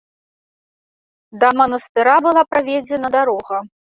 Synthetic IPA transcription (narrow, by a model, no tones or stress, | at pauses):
d̪ɐmɐnɐst̪ɨɾabɨlˠapɾavʲɛd͡zʲɛnɐd̪aɾɔɣɐ